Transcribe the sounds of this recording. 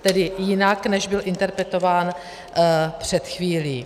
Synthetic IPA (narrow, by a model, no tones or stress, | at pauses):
t̪ɛdɪjɪnaknɛʒbɪlʔɪnt̪ɛɾpɾɛt̪o̞vaːn | pr̝̥ɛt̪xviːliː